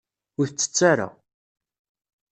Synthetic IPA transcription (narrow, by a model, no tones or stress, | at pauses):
ʊɾθt͡sːə̥t͡sːaɾa̰